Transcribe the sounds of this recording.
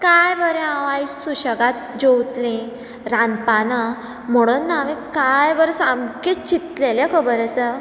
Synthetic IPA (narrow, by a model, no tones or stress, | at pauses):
kajbəɾẽãʋaisuɕəɡat̪̚d͡ʑowt̪lẽ | ɾanpana | m̤əɽ̃unːaʋẽkajbəɾsamkit̪̚t͡ɕit̪lelekʰəbəɾət͡sə